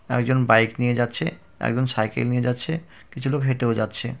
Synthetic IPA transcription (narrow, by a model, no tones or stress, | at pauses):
ɛ̰kd͡ʑonbajknijed͡ʑatːɕʰe | ɛ̰kd͡ʑonsajkḛlnijed͡ʑatːɕʰe | kit͡ɕʰulokɦeʈeod͡ʑatːɕʰe